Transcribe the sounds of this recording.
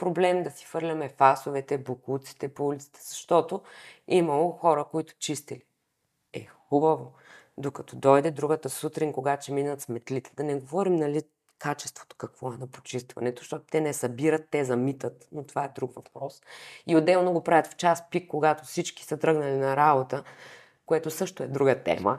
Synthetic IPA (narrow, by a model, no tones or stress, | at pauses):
pɾoblɛmd̪ɐsi̥fɤɾlʲɐmɛfasovɛt̪ɛbokut̪si̥t̪ɛpoulʲit̪si̥t̪ɛ̥z̥ɐʃt̪ɔt̪oimɐlˠoxɔɾəkoit̪ʊ̥t͡ʃist̪ili | ɛ̰xubɐvo | d̪okɐt̪ɔd̪ɔjd̪ɛd̪ɾuɡət̪əsut̪ɾinkoɡat͡ʃɛminət̪smɛt̪lit̪ɛ̥d̪ɐnɛɡovɔɾimnɐli | kat͡ʃɛ̥st̪v̥o̥t̪o̥kɐkvɔɛnɐpo̥t͡ʃist̪vɐ̰nɛt̪o̥ʃt̪ɔt̪t̪ɛnɛsɐbiɾət̪ːɛzɐmit̪ət̪not̪ovaɛd̪ɾukvɐpɾɔsiod̪ɛlˠnoɡopɾavʲət̪ft͡ʃaspikːoɡat̪ofsit͡ʃk̟i̥sɐt̪ɾɤɡnɐlinɐɾabot̪ə | koɛt̪osɤʃt̪oɛd̪ɾuɡət̪ɛ̰mə̰